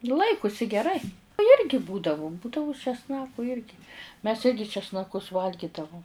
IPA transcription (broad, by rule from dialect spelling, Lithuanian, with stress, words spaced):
ˈlˠɐɪkʊsʲɪ ɡʲɛˈrɐɪ ˈjɪrʲɡʲɪ ˈbuːdɐʋʊ ˈbuːdɐʋʊ t͡ʃʲɛsˈnɑːkʊ ˈjɪrʲɡʲɪ mʲɛs ˈɪrʲɡʲɪ t͡ʃʲɛsnɐˈkʊs ˈʋɐlʲɡʲiːdɐʋʊm